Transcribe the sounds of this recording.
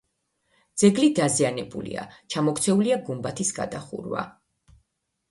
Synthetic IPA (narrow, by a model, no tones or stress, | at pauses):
d̪z̥ɛɡlid̪azianɛbṵlḭa̰t͡ʃʰamɔkt̪sʰɛuliaɡumbat̪ʰisɡa̰d̪aχṵɾwa̰